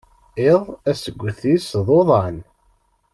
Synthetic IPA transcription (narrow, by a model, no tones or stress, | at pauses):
eðˤæsəɡʷːəθisðˤoðˤɑn